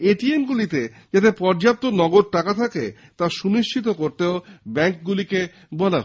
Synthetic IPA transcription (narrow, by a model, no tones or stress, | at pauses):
eʈiemɡulit̪e | d͡ʑat̪̬epɔɾd͡ʑap̚t̪onɔɡoɾ̚ʈakat̪ʰake | t̪aʃuniʃt͡ɕʰit̪̬okoɾt̪eobɛŋk̚ɡulike | bɔla